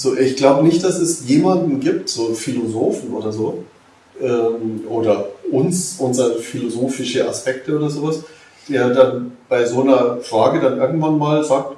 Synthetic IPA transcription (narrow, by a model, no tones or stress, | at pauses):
z̥oːʔɪçɡ̥laʊbənɪçt̚d̥asɛsjeːmandn̩ɡiːptz̥oːfilozoːfn̩ʔo̰ːdɐzoː | ʔɛːmʔoːdɐʔʊnsʔʊnzɐfilozoːfɪʃəʔa̰spɛk̚təoːdɐzoːvas | d̥eːɐdanb̥aɪzoːnɐfʁ̥aːɡədanʔɪɐɡŋ̩tv̥anmaːlzaːk̚t